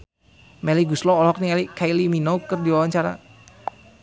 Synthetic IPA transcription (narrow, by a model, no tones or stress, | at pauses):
mɛliɡuslɔːlɔk̚nialikʰailiminoukərdiwawaɲt͡ʃaɾa̰